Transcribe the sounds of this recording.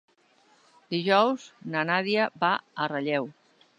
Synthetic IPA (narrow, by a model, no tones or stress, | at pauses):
d̪iʒɔwznanaðiəbaərəʎɛw